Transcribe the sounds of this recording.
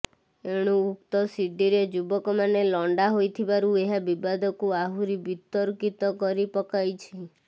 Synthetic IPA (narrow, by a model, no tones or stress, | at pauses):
eɽ̃uːk̚t̪ɔsiɖiɾed͡ʒubɔkɔmanelɔɳɖaɦojt̪ʰibaɾueɦabibad̪ʱɔkuaɦuɾibit̪ɔɾkit̪ɔkɔɾipɔkajt͡ʃʰi